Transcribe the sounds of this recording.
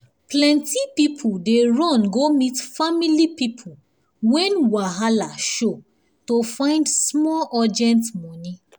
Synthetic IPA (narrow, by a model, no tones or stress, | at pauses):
plɛ̃ntipipʰudeɹɔ̃nɡomitfamilipipʰu | wɛ̃nwaɦalaʃo | tofãɪ̃ndsmɔlɔd͡ʒɛ̃ntmɔ̃ni